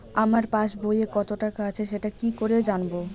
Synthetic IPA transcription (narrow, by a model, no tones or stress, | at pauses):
amaɾpaʃbojekɔt̪oʈakaat͡ɕʰeʃeʈakikoɾed͡ʑanbo